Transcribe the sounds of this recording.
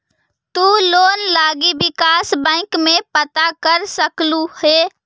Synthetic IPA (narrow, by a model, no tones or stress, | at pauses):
t̪uloːnlaːɡibɪkaːsbə̃ɪkmẽpət̪akəɾsəkluhe